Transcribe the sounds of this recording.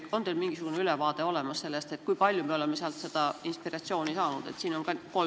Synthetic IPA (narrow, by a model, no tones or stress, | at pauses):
o̞nd̪elmiŋɡ̥isuɡ̥uneylevɑːd̪̥e̞o̞le̞mɑsse̞lːest̪e̞t̪ˑkujpɑlʲjumeo̞le̞mːeseɑlt̪se̞d̪̥ɑinspirɑt̪sio̞ːnisɑːnud̪̥e̞̰t̪siːno̞nkɑkol